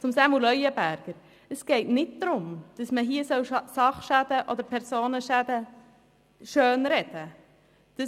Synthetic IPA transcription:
t͡sʊmsamulœjəbæɾɡ̥əɾ | əsɡ̥eɪtnɪt̚d̪̥ɾʊmd̥ɑsməɦiəsœwsɑχʃæd̥əʔɔd̪əɾpʰɛɾsoːnəʃæd̪ə | ʃøːnɾɛd̥ə | d̥ə

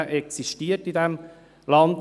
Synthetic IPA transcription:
ʔɛksiʃtiːətidɛm | lɑnd̪

